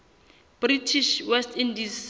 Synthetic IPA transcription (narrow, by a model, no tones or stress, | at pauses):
b̥ritʰiʃwɛstʰindiz